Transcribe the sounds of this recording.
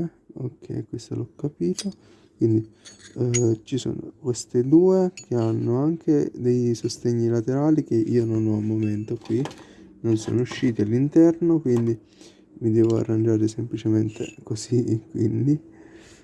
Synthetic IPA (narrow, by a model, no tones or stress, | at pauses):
o̰kʰːɛ̰kwest̪a̰lɔkːapiːt̪o | kwind̪i | t͡ʃiso̰ːno̰kwest̪ed̪uːekʰeanːoaŋk̟ʰed̪ejsost̪eɲːilat̪eɾaːlik̟eʔḭːononɔamːoment̪okwinonso̰ːnouʃːiːt̪ialːint̪ɛrnokwind̪i | mid̪ɛːvoa̰rːand͡ʒaːɾesemplit͡ʃement̪ʰḛkosikwḭnd̪i